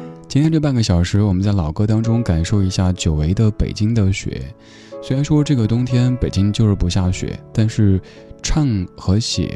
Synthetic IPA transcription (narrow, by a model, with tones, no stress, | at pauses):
t͡ɕi˥nt̪jɛ˥ʈ͡ʂɤ˥˧p̬a˥˩ɡə˩ɕjɑ˨˩ʊʂɻ̩˧˥wɔ˨˩mə˦nt͡sa˥˩ɪlɑ˨˩ʊkɤ˥t̪ɑ˥ŋʈ͡ʂʊ˥ŋka˨˩nʂo˥˩ʊi˧˥ɕja˥˩t͡ɕjo˨˩ʊwe˧˥ɪd̪ə˧pḛ˨˩ɪt͡ɕi˥ŋd̪ə˨ɕɥɛ̰˧˥ | sse˧˥ɪɻa˧˥nʂwɔ˥ʈ͡ʂɤ˥˩ɡə˩t̪ʊ˥ŋt̪ʰjɛ˥npe˨˩ɪt͡ɕi˥ŋt͡ɕjo˥˧ʊʂɻ̩˥˩pu˧˥ɕja˥˩ɕɥɛ̰˧˥˦t̪a˥˧nʂɻ̩˥˩˧ | ʈ͡ʂʰɑ˥˩ŋxɤ˧˥ɕjɛ̰˨˩˦